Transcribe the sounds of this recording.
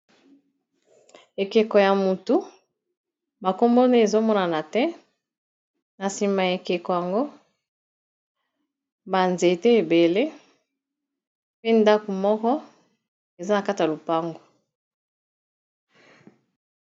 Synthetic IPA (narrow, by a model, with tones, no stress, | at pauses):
e˨ke˨kɔ˨ja˨mu˨tu˨ | ba˨ko˦mbo˦ne˦e˨zo˦mɔ˦na˨na˨tɛ˦ | na˨si˨ma˨je˨ke˨kɔ˨ja˨ŋɡo˦ | ba˨nze˨te˦e˨be˨le˦ | pe˦nda˦ko˨mɔ˦kɔ˦ | e˨za˦na˨ka˦ta˨lo˨pa˦ŋɡo˨